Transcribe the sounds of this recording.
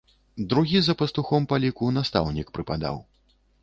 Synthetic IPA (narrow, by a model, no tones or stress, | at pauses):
d̪ɾuɣʲizɐpɐst̪uxɔmpalʲikunast̪a̰wnʲikpɾɨpad̪a̰w